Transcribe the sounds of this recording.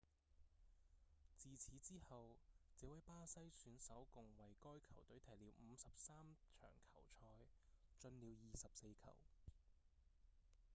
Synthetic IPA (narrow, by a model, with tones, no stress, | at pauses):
t͡siː˨t͡sʰiː˨˥t͡siː˥hɐ˨wt͡sɛː˨˥wɐ˨˥jpaː˥sɐ˥jsyː˨˥nsɐ˨˥wkʊ˨ŋwɐ˨jkɔː˥jkʰɐ˨˩wt̪ɵ˨˥ɥt̪ʰɐ˨˩jliː˨˥wm̩˨˧sɐ˨p̚saː˥mt͡ʃʰœ̰ː˨˩ŋkʰɐ˨˩wt͡ʃʰɔː˨˧jt͡ʃɵ˧nliː˨˧wjiː˨sɐ˨p̚se˧jkʰɐ̰˨˩w